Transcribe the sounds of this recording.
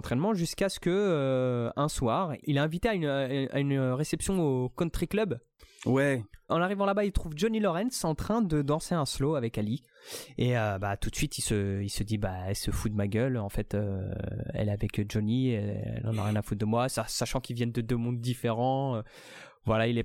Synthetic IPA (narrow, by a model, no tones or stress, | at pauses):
ɑ̃t̪χɛnmɑ̃ʒyskasə̥kəøɛ̃swaʁilaɛ̃vit̪eayna̰ynøʁesɛpsjɔ̃okɔ̃t̪χiklœb | wɛɑ̃naʁivɑ̃labailt̪χuvd͡ʒɔnilɔʁɛnsɑ̃t̪χɛ̃d̪əd̪ɑ̃seɛ̃sloavɛkali | eøbat̪ut̪sɥit̪ilsəilsəd̪ibaɛlsəfud̪əmaɡʲœlɑ̃fɛt̪ø | ɛ̰lavɛkd͡ʒɔniɛ̰lɑ̃naʁjɛ̃nafut̪̚d̪əmwasasaʃɑ̃kilvjɛnd̪əd̪ømɔ̃d̪ːifeʁɑ̃ø | vwalailɛ